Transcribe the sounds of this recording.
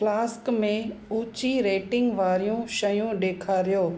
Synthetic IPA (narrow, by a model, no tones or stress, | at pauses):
plaːskmẽuːt͡ɕiɾeːʈɪ̃ŋɡʋaːɾijũʃɐjũɗeːkʰaːɾijoː